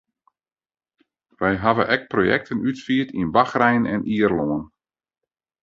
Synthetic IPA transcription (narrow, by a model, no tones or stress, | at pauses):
ʋɛjɦaʋə̰nʔɛk̚projɛ̰k̚tʰənytfiətʰinbaxrɛjənɛniərloən